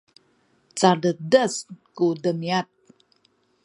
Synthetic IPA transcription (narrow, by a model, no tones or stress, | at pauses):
t͡sadədəskudəmiat̪̚